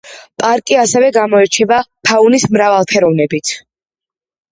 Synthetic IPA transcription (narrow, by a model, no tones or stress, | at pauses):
pʼaɾkʼiasɛvɛɡamɔɛɾt͡ʃʰɛbapʰaunismɾavalˠpʰɛɾɔvnɛbit̪ʰ